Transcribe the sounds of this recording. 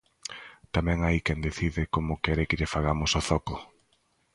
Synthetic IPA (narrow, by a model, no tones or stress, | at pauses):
t̪amɛ̃ŋajkɛnd̪eθiðɪkomʊkɛɾɪkɪʎɪfaɣamʊsɔθɔkʊ